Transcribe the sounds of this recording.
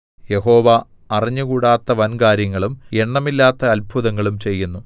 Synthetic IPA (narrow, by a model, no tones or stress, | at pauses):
je̞ɦo̞ːʋa | ɐriɲːukuːɽaːt̪ːɐʋɐnkaːɾjɐŋːɐɭume̞ɳːɐmilːaːt̪ːɐɐlbʱuðɐŋːɐɭumt͡ɕe̞jːunːu